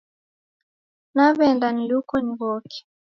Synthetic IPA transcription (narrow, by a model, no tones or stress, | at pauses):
naβɛndanilukɔniβɔki̥